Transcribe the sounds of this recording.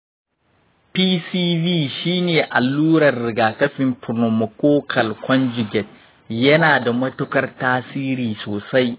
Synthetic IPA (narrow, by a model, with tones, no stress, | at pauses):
piː˦siː˦viː˦ʃiː˦neː˨ʔa˨lːuː˦ɽɐ˨rːɪ˨ɡaː˨kɐ˦ɸɪ˨mpʊ˨no˨mo˨koː˦kʰɐ˨lkʷɔ˦nd͡ʒɪ˨ɡʲɛ˨t̚ | jɐ˦naː˨da˨mɐ˦tʊ˦kɐ˦rtaː˦siː˦ɾiː˨soː˨sa˦j